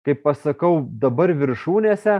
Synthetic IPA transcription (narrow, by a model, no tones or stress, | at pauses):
kɐɪppɐsɐkɐʊd̪ɐbɐɾʋʲɪɾʃuːnʲeːsʲɛ